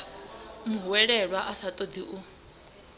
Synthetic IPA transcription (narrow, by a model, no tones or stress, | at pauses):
muwɛɺɛɺwaʔasat̪ʼɔd̪iʔu